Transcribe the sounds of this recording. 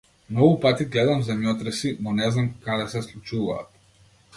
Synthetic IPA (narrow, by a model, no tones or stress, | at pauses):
mnɔɡupat̪iɡlɛd̪amzɛmjɔt̪ɾɛsinɔnɛznamkad̪ɛsɛslˠut͡ʃuva̰ːt̪